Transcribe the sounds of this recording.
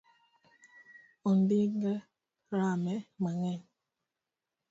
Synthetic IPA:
onbiŋɛ | ɾamɛmaŋɛn

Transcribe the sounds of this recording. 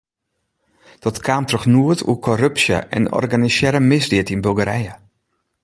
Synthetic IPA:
d̥ɔtkʰaːmtrɔxnuətʰṵkʰɔrøpsjə̰ʔɛ̰nɔ̰rɡanisjɛɾəmɪsdɪətinbølˠɡəɾɛjə

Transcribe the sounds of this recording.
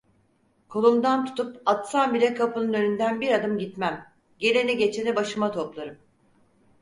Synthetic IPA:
kʰo̞lˠumd̪ant̪ʰu̥t̪ʰupat̪sanbilʲɛkʰapɯnɯnø̞nynd̪ænbiɾad̪ɯmɟit̪mæm | ɟe̞ɾeniɟe̞t͡ʃʰenɛbaʃɯmat̪ʰo̞plˠaɾɯm

